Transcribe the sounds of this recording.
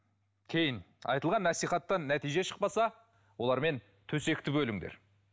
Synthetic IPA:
kʲʰe̞jɪn | ɑ̰jt̪əlˠʁɑnːæsijχɑt̪ːɑnːæt̪ijʒe̞ʃə̥q̚pɑsɑ | wo̞lˠɑɾme̞n | t̪ʰɵse̞k̚t̪ɪbɵlɪŋd̪ḛɾ

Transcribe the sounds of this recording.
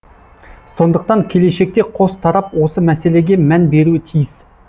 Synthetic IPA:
so̞nd̪əq̚t̪ɑŋkʲʰe̞le̞ʃe̞k̚t̪e̞qʰo̞st̪ʰɑɾɑpwo̞səmæse̞le̞ɡʲe̞mænbe̞ɾuɪt̪ʰijɪs

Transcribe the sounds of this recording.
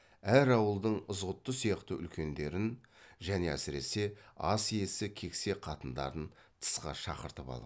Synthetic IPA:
æɾɑwəlˠd̪əɴʊzʁət̪ːəsijɑqt̪əʏ̰lkʲe̞nd̪e̞ɾɪnʒæne̞æsɪɾe̞̰se̞ɑsijje̞sɪkʲʰe̞kse̞qʰɑt̪ənd̪ɑ̰ɾənt̪ʰə̥sqɑ̰ʃɑ̰qəɾt̪əpɑ̰lˠə

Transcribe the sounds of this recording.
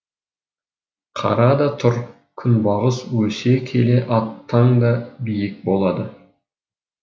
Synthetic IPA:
qʰɑ̰ɾɑd̪ɑt̪ʰʊɾ | kʲʰʏnbɑʁəswɵse̞kʲʰe̞le̞ʔɑt̪ʰːɑɴd̪ɑbijɪk̚bo̞lˠɑd̪ə

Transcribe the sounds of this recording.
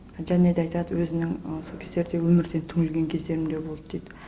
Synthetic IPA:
ʒæned̪eɑjt̪ɑd̪əwɵzɪnɪŋsokʰese̞ɾd̪e̞wɵmɪɾd̪e̞nt̪ʰʏŋɪlɡʲe̞ŋkʲʰezd̪e̞ɾɪmd̪e̞bo̞lˠd̪əd̪̥ejd̪ɪ

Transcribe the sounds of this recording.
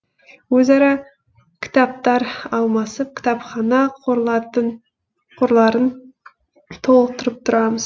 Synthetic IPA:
wɵzɑɾɑ | kʲʰɪ̥t̪ɑp̚t̪ɑɾɑlˠmɑsəp̚kʲʰɪ̥t̪ɑpχɑnɑq̪ɑt̪ə | qʰʊɾlˠɑɾən | t̪ʰo̞lˠəq̚t̪ʰʊɾəp̚t̪ʰʊɾɑməz̥

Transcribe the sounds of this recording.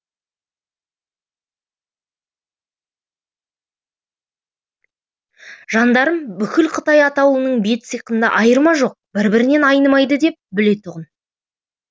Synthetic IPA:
ʒ̥ɑnd̪ɑɾəmbʏkʲɪlqʰət̪ɑjɑt̪ɑwənəɴbe̞t̪sɨjqənd̪ɑ̰ʔɑjəɾmɑʒo̞q̚bɪɾbɪɾɪne̞nɑjnəmɑjd̪əd̪e̞p̚bɪle̞t̪ʰʊʁən

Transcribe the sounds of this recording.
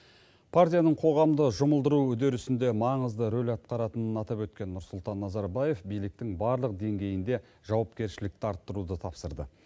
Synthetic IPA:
pʰaɾt̪ʲijanəɴqʰo̞ʁɑmd̪əʒʊməlˠd̪əɾuʏd̪e̞ɾʏsɪnd̪e̞mɑɴəzd̪əɾo̞lʲɑt̪̚qɑɾɑt̪ənənɑt̪ɑpwɵt̪̚kʲe̞nːʊɾsʊlˠt̪ɑnːɑzɑɾbaje̞fbijlɪk̚t̪ɪŋbɑɾlˠəq̚d̪e̞ŋɡʲe̞jɪnd̪e̞ | ʒ̥ɑwɑpkʲe̞ɾʃɪlɪk̚t̪ɪɑɾt̪ːəɾud̪ət̪ʰɑpsəɾd̪ə̰

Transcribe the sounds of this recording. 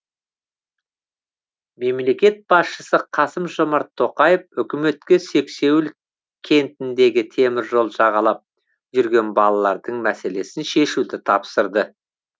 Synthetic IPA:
me̞mle̞kʲe̞t̪̚bɑsʃəsəqʰɑsəmʒomɑɾt̪ʰːo̞qɑjefʏkʲɪme̞t̪kʲese̞kse̞wɪl | kʲʰe̞nt̪ɪnd̪e̞ɡʲɪt̪ʰe̞mɪɾʒo̞lˠʒɑʁɑlˠɑp̚ | ʒʏɾɡʲe̞nbɑlˠɑlˠɑɾd̪əɴmæse̞le̞sɪnʃe̞ʃud̪ɪt̪ʰɑpsəɾd̪ə

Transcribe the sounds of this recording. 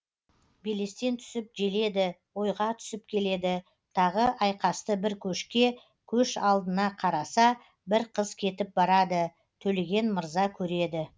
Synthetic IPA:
bele̞st̪e̞nt̪ʰʏ̥sɪp̚ʒe̞le̞d̪ɪwo̞jʁɑt̪ʰʏ̥sɪpkʲʰe̞le̞d̪ɪ | t̪ʰɑʁəʔɑjqɑst̪əbɪɾkʲʰɵʃkʲe̞ | kʲʰɵʃɑlˠd̪ənɑqʰɑɾɑsɑ | bɪɾqʰəzkʲʰe̞t̪ɪp̚bɑɾɑd̪ə | t̪ʰɵle̞ɡʲe̞nməɾzɑkʲʰɵɾe̞d̪ɪ

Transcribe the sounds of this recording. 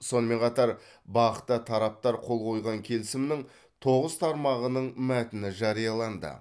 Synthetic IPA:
so̞nəme̞ɴqʰɑt̪ɑɾ | bɑə̥t̪ːət̪ʰɑɾɑp̚t̪ɑɾqʰo̞lˠqʰo̞jʁɑŋkʲʰe̞lɪsɪmnɪŋ | t̪ʰo̞ʁəz̥t̪ʰɑɾmɑʁənəɴmæt̪ɪnɪʒɑɾijɑlˠɑnd̪ə̰

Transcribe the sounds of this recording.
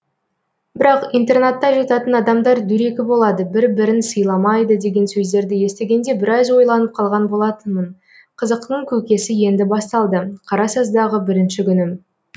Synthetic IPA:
bɪɾɑqijnt̪e̞rnat̪ːɑʒɑt̪ɑt̪ənɑd̪ɑmd̪ɑɾd̪ʏɾe̞kʲɪbo̞lˠɑd̪əbɪɾbɪɾɪnsəjlˠɑmɑjd̪əd̪e̞ɡʲe̞nsɵzd̪e̞ɾd̪ɪje̞st̪e̞ɡʲe̞nd̪e̞bɪɾɑzwo̞jlˠɑnəp̚qʰɑlˠʁɑnbo̞lˠɑt̪ənmən | qʰəzəq̚t̪əɴkʲʰɵkʲe̞sɪje̞nd̪ɪbɑst̪ɑlˠd̪əqʰɑɾɑsɑzd̪ɑʁəbɪɾɪnʃɪkʲʏnɪ

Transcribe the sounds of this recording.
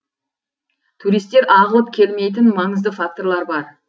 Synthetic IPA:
t̪ʰuɾijst̪ːeɾʔɑʁəlˠəp̚kʲʰe̞lme̞jt̪̬ɪnmɑŋəzd̪əfak̚t̪oɾlˠɑɾbɑɾ

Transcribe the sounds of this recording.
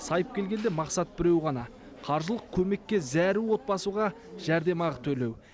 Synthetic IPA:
sɑjəp̚kʲʰe̞lɡʲe̞nd̪e̞mɑqsɑt̪̚bɪɾe̞wʁɑnɑ | qʰɑɾʒəlˠəq̚kʲʰɵme̞kʲːe̞zæɾuwo̞t̪̚bɑsuʁɑ | ʒ̥æɾd̪e̞mɑʁət̪ʰɵle̞w

